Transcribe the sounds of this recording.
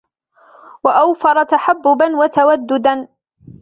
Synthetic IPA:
waʔawfɑɾˤɑt̪aħabːʊbanwat̪awad̪ːʊd̪an

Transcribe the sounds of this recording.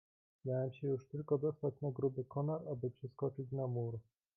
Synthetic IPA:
mʲjawɛmɕɛjuʂt̪ɘlkɔd̪ɔst̪at͡ɕnaɡɾubɘkɔnaɾabɘpʂɘskɔt͡ʂit͡ɕnamuɾ

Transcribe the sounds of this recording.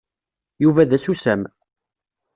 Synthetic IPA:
juvæðæsusæm

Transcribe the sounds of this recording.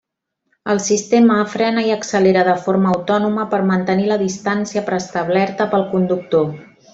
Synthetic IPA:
əlˠsist̪eməːfɾɛnəiəksəleɾəðəfoɾməːwt̪ɔnuməpəɾmənt̪əniləðist̪ansiəpɾəst̪əβlɛɾt̪əpəlˠkund̪uk̚t̪o

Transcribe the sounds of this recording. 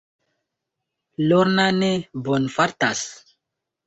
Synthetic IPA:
loɾnanebonfaɾtas

